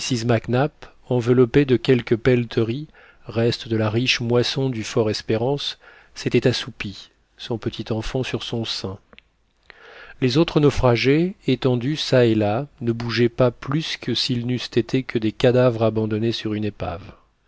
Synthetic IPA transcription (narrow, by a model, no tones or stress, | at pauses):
sizmaknap | ɑ̃vəlɔped̪əkʲɛlkəpɛlt̪ʰəʁi | ʁɛst̪əd̪əlaʁiʃmwasɔ̃d̪yfɔʁɛspeʁɑ̃sː | et̪ɛt̪asupi | sɔ̃pət̪ʰit̪ɑ̃fɑ̃syʁsɔ̃sɛ̃ | lezot̪χənɔfχaʒeːt̪ɑ̃d̪ysaelanəbuʒɛpaplyskʰəsilnyst̪et̪ʰekʰəd̪ekad̪avʁabɑ̃d̪ɔnesyʁynepa̰v